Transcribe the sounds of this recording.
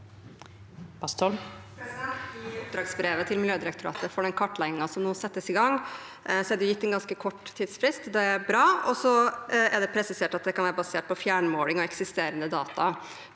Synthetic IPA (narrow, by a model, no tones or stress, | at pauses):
b̥ɑst̪ʰɔl | ʊp̚d̪ɾɑːɡsbɾeːʋət̪ʰɪlmɪljøːd̪ɪɾɛkt̪ʊɾɑ̰ːt̪əfɔɖɛnkʰɑʈːlæɪnɪŋɑsɔmnuːsɛt̪ːəsɪɡɑŋ | sɔæd̪ɛjʊjɪt̪ːɛnɡɑnskəkʰɔʈːt̪ʰːiːd̪sfɾɪst̪d̪ɛæɾbɾɑːɔsɔæɖ̪ɛpʰɾɛsɪseːʈɑt̪ʈ̚d̪ɛkʰɑnʋæːɾəbɑseːʈ̚pʰɔfjæːɳmoːlɪŋɔɛksɪst̪eːɾənd̪əd̪ɑ̰ːt̪ɑ